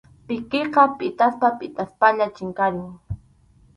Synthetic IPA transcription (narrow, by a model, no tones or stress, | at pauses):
pɪkeqɑpʼɪt̪ʼaspapʼɪt̪ʼaspaʎat͡ʃɪŋkaɾʊŋ